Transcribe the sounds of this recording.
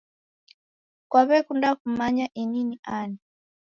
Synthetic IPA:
kwaβɛkundakumaɲaʔininiʔani

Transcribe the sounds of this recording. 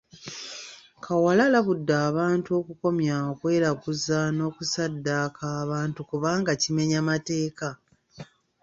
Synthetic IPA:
kʰawalalaβudːaːβaːntuo̞kuko̞mjaokwe̞ːɾakuzano̞ːkusadːakʰaːβaːntukuβaːŋɡacime̞ɲamate̞ːka

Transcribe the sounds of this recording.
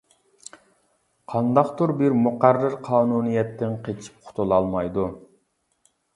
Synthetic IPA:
qʰɑnd̪ɑqt̪uɾbɪɾmʊqæɾːɪɾqʰɑːnunijɛt̪ʰːɪnqʰet͡ʃʰi̥p̚qʰʊ̥t̪ʰulˠɑlˠmɑjd̪u

